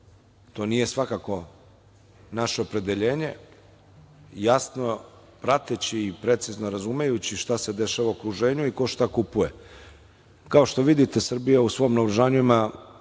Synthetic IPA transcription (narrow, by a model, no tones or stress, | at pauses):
t̪o̞ːnije̞sʋakako̞ | naʃeopɾe̞d̪e̞ʎe̞ːɲe̞ | jasno̞ | pɾat̪et͡ɕiːpɾe̞t̪sizno̞ɾazumejut͡ɕiʃt̪ase̞d̪e̞ʃaʋaokɾuʒe̞ːɲuiko̞ʃt̪akupuje̞ | kao̞ʃt̪o̞ʋid̪it̪e̞sr̩bijausʋo̞mnauɾuʒaːɲuima